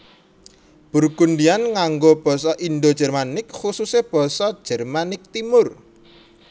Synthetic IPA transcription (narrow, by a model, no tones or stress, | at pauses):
b̥ṳrɡundianŋaŋɡob̥ɔ̤sɔʔind̪od̥ʒ̥ɛ̤rmanɪkxususeb̥ɔ̤sɔ̥ʒ̥ɛ̤rmanɪk̚t̪imʊr